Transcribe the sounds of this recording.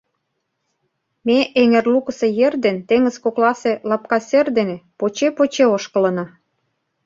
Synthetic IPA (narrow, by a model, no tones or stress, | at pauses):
meʔeŋerlukəsejerd̪ent̪eŋə̆zkoklɑselɑp̚kɑserd̪enepot͡ɕepot͡ɕeoʃkə̆lə̆nɑ